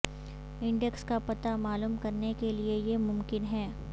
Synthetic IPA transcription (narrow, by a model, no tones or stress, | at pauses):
ɪ̃ɳɖekskapɐt̪amaːluːmkɐɾnekeliejemʊ̃mkɪnɦɛː